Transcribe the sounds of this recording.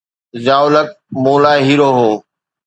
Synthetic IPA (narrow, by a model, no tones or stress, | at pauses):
zaːʊlək̚mũːlaːɦiːɾoːɦoː